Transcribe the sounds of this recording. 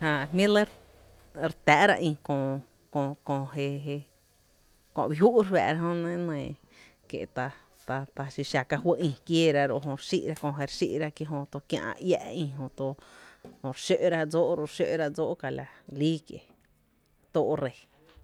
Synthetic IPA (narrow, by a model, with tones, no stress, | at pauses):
hã˧hmĩ˦le˦ɾ | ɾt̪æː˨ʔɾa̰˧ʔĩ˧kõː˧˨ | kõ˧kõ˧ɦe˧ɦe˧ | kõ̰˧˨bi˧ɦu˦ʔɾwa̰ː˨ɾa˧˦ɦõ˦nẽ˦nẽː˨ | kḛ˨ʔt̪a˧ | t̪a˧t̪a˧ʃi˧ʃa˧ka˧ɦwə˦ʔĩ˧kjeː˦ɾa˧ɾo˧˨ʔɦõ˧ɾʃi˦ʔɾa˦kõ˧˨ɦe˧ɾʃḭ˦ʔɾa˧kje˧ɦõ˧t̪o˧kjã̰˧ʔã̰˧ja̰˧ʔĩ˧ɦõ˧t̪o˧hõ˧˨ɾʃø˦ʔɾa˦d͡zo˦ʔɾo˧ɾʃø˦˧ʔɾa˧d͡zoː˦ʔka˧la˨liː˦kjḛ˨ | t̪oː˦ʔɾe˧˨